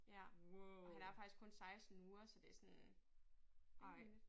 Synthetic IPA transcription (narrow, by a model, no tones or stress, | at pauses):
jæɒɦænæɐfɑ̈ɡ̥isɡ̥̚kʰɔ̽nsɑ̈ɪsd̥n̩uːɐsɒ̽d̥e̝æsɔn | ʔɑɪ̰̥